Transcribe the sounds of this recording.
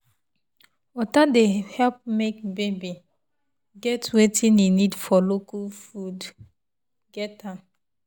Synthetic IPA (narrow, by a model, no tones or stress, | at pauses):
wɔtadehɛlp̚mek̚bebi | ɡɛtwetĩninidfɔlokufud | ɡɛtãm